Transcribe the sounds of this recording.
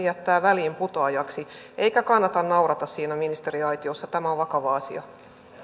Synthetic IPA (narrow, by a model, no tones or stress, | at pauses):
jæt̪ːæːʋæliːmput̪oɑːjɑksiʔe̞jkækɑnːɑt̪ɑnnɑwɾɑt̪ɑssiːnæminist̪e̞ɾiɑjt̪io̞sːɑt̪æmæoʋʋɑkɑʋɑɑsḭɑ̰